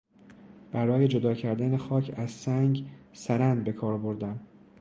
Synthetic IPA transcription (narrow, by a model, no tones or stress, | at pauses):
b̥æɾɒːje̞d͡ʒod̪ɒːcʰæɾd̪ænexɒːcʰæzsæŋɟsæɾænd̪̚be̞kʰɒːɾbo̞ɾd̪æm